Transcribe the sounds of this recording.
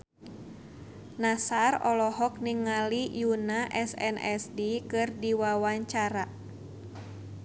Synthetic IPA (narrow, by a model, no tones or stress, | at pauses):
nasarɔlɔɦɔk̚niŋːalijunaʔɛsɛ̰nɛsdikɨrdiwawaɲt͡ʃaɾa